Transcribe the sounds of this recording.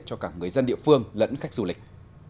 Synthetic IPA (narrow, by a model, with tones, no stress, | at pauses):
t͡ɕɔ˧kaː˧˩ŋɨ˨˩əjzə˧nɗḭ˧˨əfɨ˧əŋlə̰˧˥nxa˦˥jk̚zu˧˩lï˨˩k̟̚